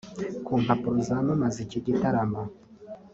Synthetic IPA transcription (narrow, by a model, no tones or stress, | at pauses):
kuːmpapuɾuzamamaziciɟitaɾama